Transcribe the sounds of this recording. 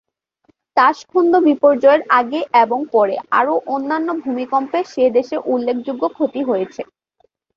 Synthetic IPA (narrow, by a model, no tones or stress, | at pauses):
t̪aʃkʰond̪obipoɾd͡ʑɔeɾaɡeʔeboŋpɔɾḛa̰ɾoʔonːanːobʱumikɔmpeʃed̪eʃeɾʔulːekʰd͡ʑuɡːokʰot̪iɦojet͡ɕʰe